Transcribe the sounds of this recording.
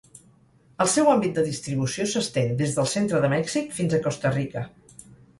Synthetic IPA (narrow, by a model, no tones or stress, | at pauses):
əlˠsɛwambit̪̚d̪əðist̪ɾiβusiosəst̪end̪ezðəlˠsent̪ɾəðəmɛksikfinzəkɔst̪ərikə